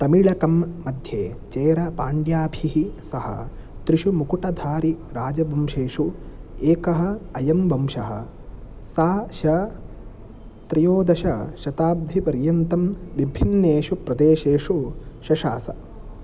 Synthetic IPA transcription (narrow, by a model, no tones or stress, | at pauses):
t̪ɐmiɭɐkɐmːɐd̪ʱjeːt͡ʃeːɾɐpaːɳɖjaːbʱiɦisɐɦɐ̰ | t̪ɾiʃumukuʈɐd̪ʱaːɾiɾaːd͡ʒɐbʱɐmʃeːʂueːkɐɦɐ̆ɐjɐmbɐmʃɐɦɐ̰̆ | saːʃɐ | t̪ɾijoːd̪ɐʃɐʃɐt̪aːb̚d̪ʱipɐɾjɐnt̪ɐmʋibʱinːeːʃupɾɐd̪eːʃeːʂuʃɐʃa̰ːsɐ̰